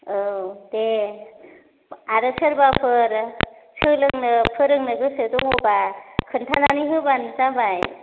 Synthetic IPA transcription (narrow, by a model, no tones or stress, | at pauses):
ɯde | aɾɯsɯɾbapʰɯɾsɯlɯŋnɯpʰɯɾɯŋnɯɡɯsɯdɔŋɔbakʰɯntʰananiɦɯbanɯzabaj